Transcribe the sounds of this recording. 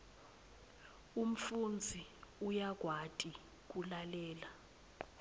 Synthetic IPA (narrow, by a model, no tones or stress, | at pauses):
um̩fund͡zʱiujak̬ʼwatʼi | k̬ʼulalɛːla